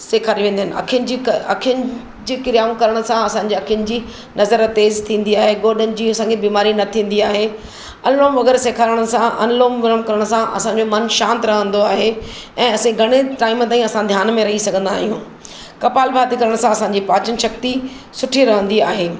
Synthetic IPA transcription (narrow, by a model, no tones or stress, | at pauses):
seːkʰaːɾiʋẽːnd̪əɦɪnɪɐ̰kʰɪənɪ̆d͡ʑikɐ̰kʰjənɪ̆ | d͡ʑiːkɪɾijaːmkɐɾəɽ̃ʊ̆sãɐsãːɲ̆d͡ʑeːɐkʰjənɪ̆d͡ʑiː | nɐzəɾt̪eːzt̪ʰĩːnd̪iaːɦeɡoːɗənɪ̆d͡ʑiːɐsãːŋɡkʰebiːmaːɾinɐt̪ʰĩːn̆d̪iaːɦeː | ɐnloːmʋɐɣɛːɾseːkʰaːɾəɽ̃ə̆sãʔɐ̰nloːmʋɪɾəmkɐɾəɽ̃sãʔɐ̰sãːɲd͡ʑomɐnʃãːnt̪ɾɐɦə̃nd̪oaːɦe | ɛ̃ːɐsĩɡʱɐɽ̃eʈaːɪmt̪aːĩɐsãd̪ʱjaːnmẽɾɐɦisɐɡʱə̃n̆d̪aːɦijũː | kɐpaːlbʱaːt̪ikɐɾəɽ̃sãɐsãɲd͡ʑipaːt͡ɕənʃɐk̚t̪i | sʊʈʰiɾɐɦə̃nd̪iaːɦeː